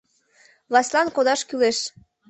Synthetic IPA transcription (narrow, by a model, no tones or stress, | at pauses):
lɑslɑnkod̪ɑʃkyleʃ